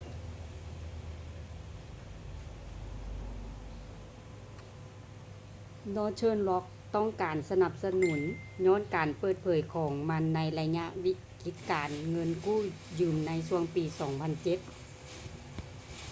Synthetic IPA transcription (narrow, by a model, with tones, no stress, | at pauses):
dɔː˧˥t͡ɕʰɤː˧˥˨nlɔ˦˥k̚t̪ɔ˥˩˨ŋkaː˨˩nsa˧na˧p̚sa˧nuː˨˩˦nɲɔː˧˥˨nkaː˨˩npɤː˧˩t̪̚pʰɤː˨˩jkʰɔː˨˩˦ŋma˧˥nːa˧˥jla˧ɲa˧ʔwi˧˥ | ki˧˦t̪̚kaː˨˩nŋɤ˧˥˨nkuː˥˩ | jɯː˧˩mna˧˥js̬u˧əŋpiː˨˩sɔː˨˩˦ŋpʰa˧˨nt͡ɕe˧˦t̪̚